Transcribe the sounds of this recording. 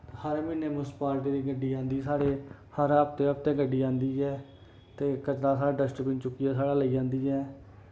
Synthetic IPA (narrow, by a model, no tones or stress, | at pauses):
həɾmɪneːmʊspaːlt̪eːɾiːɡəɖiːãːnd̪iːsaːɽeː | həɾəp̚t̪eːɦəp̚t̪eːɡəɖːiːãːnd̪iːɛː | t̪eːkət͡ʃnaːsaːaːɖəsʈpɪːnt͡ʃʊkːiːɛːsaːɽaːləiːãːnd̪iːɛː